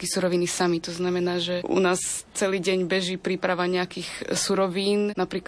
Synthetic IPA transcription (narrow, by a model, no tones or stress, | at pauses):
kisuɾɔʋinisamit̪ɔznamɛnaːʒɛʔṵnaːst͡sɛliːɟɛɲbɛʒiːpɾiːpɾaʋaɲɛakiːxsuɾɔʋiːnnapɾiːk